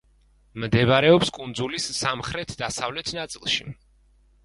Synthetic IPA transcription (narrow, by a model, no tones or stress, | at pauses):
md̪ɛvɾɛɔpskʼund̪zulisːamχɾɛt̪ʰd̪asavlɛt̪ʰnat̪sʼilˠʃḭ